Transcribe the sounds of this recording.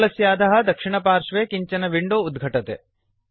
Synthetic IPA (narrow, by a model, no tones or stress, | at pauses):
lɐsjaːd̪ʱɐɦɐ̆d̪ɐkʂiɳɐpaːɾʂʋeːkiɲt͡ʃɐnɐʋiɳɖuːd̪ɡʱɐʈɐt̪ḛ